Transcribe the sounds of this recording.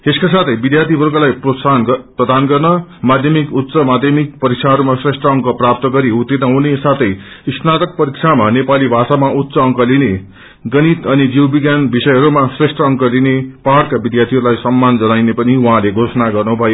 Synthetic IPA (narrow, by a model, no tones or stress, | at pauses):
eskasat̪ʰʌjbid̪jart̪ʰibʱʌrkalajanprʌd̪anɡʌrnʌmad̪ʱjʌmikut̪ːsʌmad̪ʱjʌmik̚pʌɾiksʰaɦʌɾumasresʈrʌʌŋkʌprap̚t̪ʌɡʌɾiut̪ːiʌɦũnesat̪ʰʌj | isnat̪ʌk̚pʌɾiksʰamanepalibʱasamaʔut̪ːsʌʌŋkʌline | ɡʌnit̪ʌnid͡ziwbiɡjanbisʌjɦʌɾumasresʈrʌːŋkʌlinepaɽkabid̪jat̪ʰiɦʌɾulajsʌmːand͡zʌnajnepʌniwaɦãleɡʱosʌnaɡʌrnubʱʌjo